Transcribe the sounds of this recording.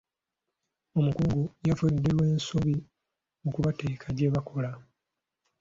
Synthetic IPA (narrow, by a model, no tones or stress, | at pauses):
o̞mukuːŋɡojafudːelwe̞ːnsoβi | mukuβateːkʰaɟeːβakʰo̞la